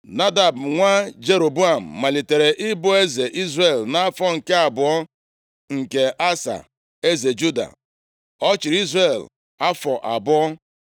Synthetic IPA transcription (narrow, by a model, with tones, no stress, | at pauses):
na˦da˨b̩˨ŋʷa˦d͡ʒe˦ɾo˨bu˦a˨m̩˨ma˨li˨te˨ɾe˨ʔɪ˦bʊ˦e˦ze˨ʔi˦zre˦˨lna˦fɔ˦ŋ̩˨ke˦a˨bʊ˨ɔ˦ | ŋ̩˨ke˨ʔa˦sa̰˨ | e˦ze˨d͡ʒu˦da̰˨ | ɔ˦t͡ʃi˨ɾi˦zɾe˨l | a˦fɔ˨ʔa˨bʊ˦ɔ˦